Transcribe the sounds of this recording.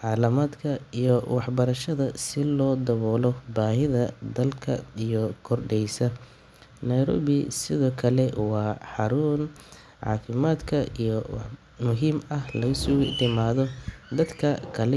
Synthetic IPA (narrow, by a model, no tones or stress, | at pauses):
ʕɑːlɐmaːd̪kʰɐijɔwɑħbɐɾɐʃɐðɐsɪlɔːd̪ɐβɔːlɔbaːɦɪðɐd̪ɐlkʰɐ̰ijɔkʰɔrɖɛjsɐ | nɐjɾɔ̰ːβɪsɪðɔːkʰɐlɛwɑːħɑɾuːn | ʕɑ̰ːfɪmaːd̪kʰɐijɔwɑ | mʊɦiːmɐhlɐɣʊsʊd̪ɪmaːðɔd̪ɐd̪kʰɐkʰɐlɛ